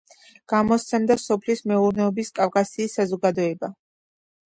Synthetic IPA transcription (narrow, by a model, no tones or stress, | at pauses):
ɡ̥amɔst̪sʰɛmd̪asɔpʰlismɛuɾnɛɔbiskʼafkʼasiːsːazɔɡad̪ɔɛba